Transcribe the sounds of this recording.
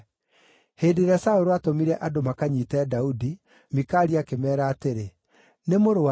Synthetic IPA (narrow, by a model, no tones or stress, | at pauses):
heːdeɾasaoɾoatomiɾɛʔadomakaɲiːtɛːdaudi | mikaːɾiakemɛːɾaːteɾe | nemoɾowa